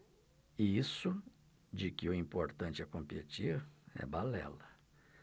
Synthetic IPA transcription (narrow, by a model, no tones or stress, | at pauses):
isʊ | d͡ʒɪkɪʊĩpoɾt̪ɐ̃t͡ʃɪɛkõmpet͡ʃiɾɛ̰balɛ̰lɐ